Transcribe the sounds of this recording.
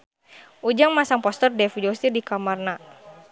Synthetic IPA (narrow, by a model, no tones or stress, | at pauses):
ʔud͡ʒaŋmasaŋpɔst̪ɔrdɛfud͡ʒɔst̪idikamarna